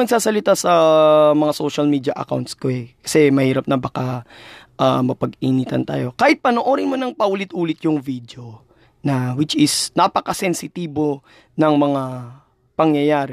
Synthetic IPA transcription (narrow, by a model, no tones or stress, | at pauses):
nɐɡsaːsɐlɪt̪asɐmɐŋasoʃɐlmiːd̪jɐʔɐ̰ka̰wnt̪skoɛkɐ̥sɛmɐhiːɾɐp̚nɐbɐkaʔa̰mɐpɐɡiːniːt̪ɐ̰nt̪a̰ːjo̞kaːhɪt̪̚pɐnoʔo̞ɾɪnmonɐŋpɐʔuːlɪt̪ʔuːlɪt̪jʊŋvid̪jo̞ | nɐwɪt͡ʃɪsnapɐkɐsɛnsɪt̪iːbo̞ | nɐŋmɐŋa | pɐŋjɐjaːɾɛ